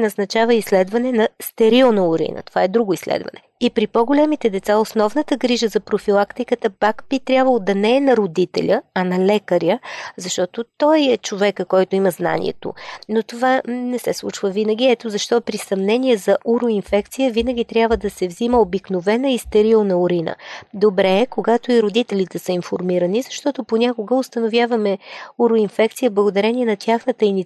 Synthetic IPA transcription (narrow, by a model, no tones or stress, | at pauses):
nɐznɐt͡ʃavəislɛd̪vɐnɛnɐst̪ɛɾilˠnɐʊɾḭnə̰t̪o̥vaɛd̪ɾuɡʊislɛ̰d̪vɐ̰nɛ | ipɾipoɡolʲɛmit̪ɛd̪ɛt̪saosnɔvnət̪əɡɾiʒəzɐpɾofilˠakt̪ikət̪əpakbit̪ɾʲabvəlˠod̪ɐnɛːnɐɾod̪it̪ɛ̰lʲəɐnɐlɛkəɾjəzɐʃt̪ɔt̪ot̪ɔjɛt͡ʃovɛkəkɔjt̪oiməzna̰nḭɛ̰t̪o̰not̪ovanɛsɛslˠṵt͡ʃvəvinəɡ̟ʲiɛt̪ozɐʃt̪ɔpɾisɐmnɛniɛzɐʔuɾʊinfɛkt̪sijəvinəɡʲit̪ɾʲjabvəd̪ɐsɛvziməobiknovɛnəist̪ɛɾilˠnɐoɾinə̰d̪obɾɛːkoɡat̪oiɾod̪it̪ɛlʲit̪ɛsəinfoɾmiɾənizɐʃt̪ɔt̪oponʲakoɡəost̪ənovʲjavɐmɛuɾʊinfɛk̚t̪sijəblˠəɡod̪ɐɾɛniɛnɐt̪ʲʰjaxnət̪əini